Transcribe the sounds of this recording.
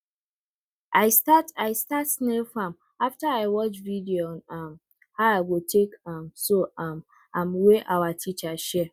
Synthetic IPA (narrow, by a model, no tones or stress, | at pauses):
ʔaɪstataɪstatsnefam | aftaaɪwɔt͡ʃvidionam | haʊaɪɡotʰekamsoam | amweʔawatʰit͡ʃaʃɛ